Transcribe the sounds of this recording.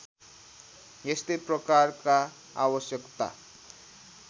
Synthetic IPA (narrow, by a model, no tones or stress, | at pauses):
jest̪ʌjprʌkarka | a̰wʌsjʌkt̪a̰